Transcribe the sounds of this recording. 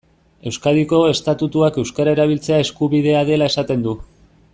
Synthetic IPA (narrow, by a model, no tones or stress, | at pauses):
e̞wskaðiko̞e̞st̪at̪ut̪uake̞wskaɾae̞ɾaβ̞ilt͡se̞ae̞skuβið̞e̞aðe̞lae̞sat̪e̞nd̪u